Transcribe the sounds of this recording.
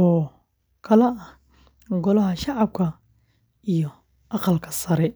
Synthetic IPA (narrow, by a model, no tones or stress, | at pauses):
ɔː | kʰɐlɐʔɐ | ɡɔlɐɦɐʃɑʕɑb̚kʰɐ | ʔijɔ | ʔɑqɑlkʰɐ̥sɐɾɛ